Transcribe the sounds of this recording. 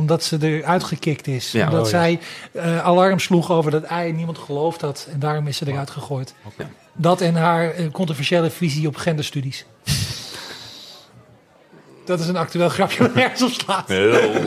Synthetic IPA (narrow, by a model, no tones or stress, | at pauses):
mdɔtsədəɹœɥtχəkɪktɪsmdɔtsɛjəalɑrmsluχoːwvəɹdɔtɛjnimɑntχəlowfthɑtɛndaːɹɔmɪsədərœɥtχəχoːjt | dɔtɛnɦaːɹkɔntrovɛɹʃeːləfiziɔpχɛndəstydis | d̥ɔtɪs̬ənak̚tyeːlˠχrɑpjəɛsɔpslaːt